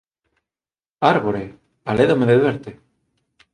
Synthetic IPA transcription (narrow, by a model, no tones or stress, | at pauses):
aɾβoɾe | aleðomeðeðwɛɾt̪e